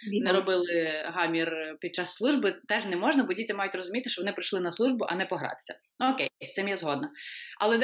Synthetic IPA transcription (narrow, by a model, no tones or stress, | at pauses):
ʋʲinɛɾɔbɪlˠɪɦɑmʲirpʲid̪̚t͡ʃɑsːlˠuʒbɪt̪ɛʒnɛmɔʒnɐbɔdʲitʲɐmɑjʊtʲrɔzʊmʲit̪ɪʃt͡ʃɔʋɔnɪpɾɪjʃlˠɪnɐslˠuʒbʊʔɐ̰nɛpɔɦɾɑ̰t̪ɪ̥sʲɐ | ɔkɛst̪ɪmjɛzɦɔd̪nɐɐ̰lˠɛd̪